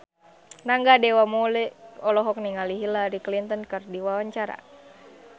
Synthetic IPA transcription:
naŋɡadɛwamɔlɛɔlɔɦɔk̚niŋaliɦilaɾiklint̪ɔnkɨrdiwawaɲt͡ʃaɾa̰

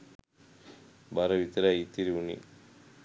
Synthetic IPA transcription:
baɾɐʋit̪ɐɾejit̪ːiɾiunḭ

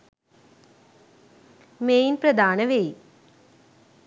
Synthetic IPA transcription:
meːjnprɐd̪aːnɐʋej

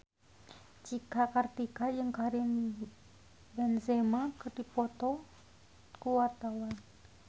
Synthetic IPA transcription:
t͡ʃikakart̪ikajɨŋkaɾin | bɛnzɛmakərdipɔt̪ɔ | kuwart̪awan

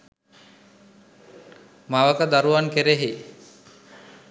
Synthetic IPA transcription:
maʋəkəd̪aɾuaŋkeɾeɦi

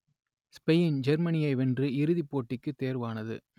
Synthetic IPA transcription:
spɛjɪnd͡ʒɛɾmɐnɪjɐɪʋɛndrɯɪɾɯðipːoːʈːɪkːɯt̪ːeːɾʋaːnɐðɯ̰

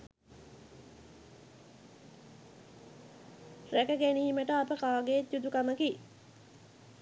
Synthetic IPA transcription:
rɛkəɡenihiməʈəapəkaːɡeud̪ukaməki

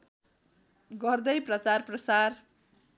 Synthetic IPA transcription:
ɡʌrd̪ʌjprʌt͡sarprʌsar

